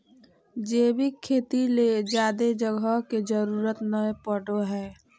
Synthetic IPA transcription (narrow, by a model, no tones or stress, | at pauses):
d͡ʒeːbikʰːeːt̪iled͡ʒjaːd̪ed͡ʒəɡʱəɦked͡ʒəɾuːɾət̪nəepəɖoɦɛː